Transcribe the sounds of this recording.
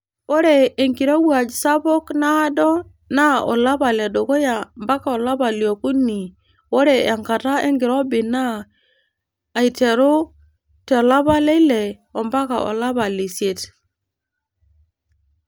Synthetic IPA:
wo˦ɾe˨e˨ŋɡi˨ɾo˦wu˦a˨d͡ʒsa˦bo˦knaː˦do˦ | na˦o̰˨la˦ba˨le˨do˨ko˦ja˨mba˦ka˨o˨la˦ba˨ljo˨ku˦nːi˨ | wo˦ɾe˨a˨ŋka˨ta˦ḛ˦ŋɡi˨ɾo˦bi˨na˦˨ | i˨te˨ɾo˦ | te˨la˦ba˦le˦i˦le˨ | o˨mba˦ka̰˨ʔo̰˨la˦ba˨li˨se˦˨t

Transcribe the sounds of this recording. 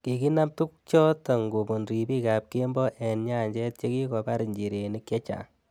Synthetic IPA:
ki˨ki˦na˦p̚tu˦k̚t͡ʃɔ˦ta˨ŋɡu˨pu˨nɾi˨pi˦ka˨p̚ke˦mbɔ˦ʔɛ˨nɲa˦˨ɲd͡ʒɛ˦t̚t͡ʃe˦ki˦kɔ˧pa˦ɾi˨ɲd͡ʒi˨ɾe˨ni˦kjɛ˦t͡ʃa̰˨

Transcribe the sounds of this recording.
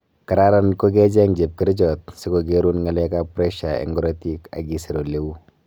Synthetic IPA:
ka˨ɾa˦ɾa˨nko˦ɡɛ˦d͡ʒɛ˦ŋd͡ʒe˨p̚ki˦ɾɪ˦d͡ʒɔ˨tsɪ˦ko˨ɡe˦ɾu˦nŋa˨lɛ˦ka˦pɾɛ˦ʃa˨ḛ˨ŋɡɔ˦ɾe˦ti˦ka̰˨ɡi˨se˨ɾo˨le˦u˦

